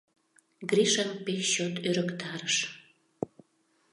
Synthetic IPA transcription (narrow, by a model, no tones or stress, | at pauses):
ɡriʃəmpeɕot̪øɾəkt̪ɑɾəʃ